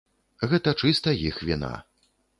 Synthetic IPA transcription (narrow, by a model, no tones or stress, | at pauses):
ɣɛt̪ɐt͡ʂɨst̪ɐjixvʲina̰